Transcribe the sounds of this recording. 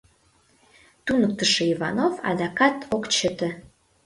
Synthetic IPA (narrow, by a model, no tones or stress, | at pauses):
t̪unək̚t̪əʃeivɑ̰nofɑ̰d̪ɑkɑt̪ʰokt͡ɕət̪ə̆